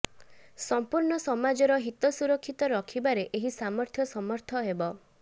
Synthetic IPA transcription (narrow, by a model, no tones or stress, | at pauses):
sɔmpuɾɳɔsɔmad͡ʒɔɾɔɦit̪ɔsuɾɔkʰːit̪ɔɾɔkʰibaɾeʔeɦisamɔɾt̪ʰjɔsɔmɔɾt̪ʰɔɦebɔ